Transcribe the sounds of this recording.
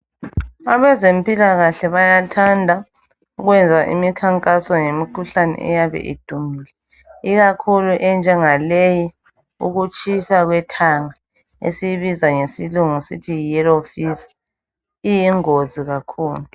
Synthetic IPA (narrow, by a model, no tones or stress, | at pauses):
aβɛzempʼilaɣaɬɛβajatʰandʱa | uɣwɛnd͡zʱaʔḭmikʰaŋkʼasɔŋemikʰuɬanɛ̰ʔɛ̰jaβɛ̰ʔḭd̥ʱumilɛ | iɣakʰuluʔɛnd͡ʒʱɛŋaleji | uɣut͡ʃʰʼisaɣwɛtʰaŋa | ḛsijiβizaŋesiluŋusḭtʰijilofif | ijiŋoziɣakʰuːlu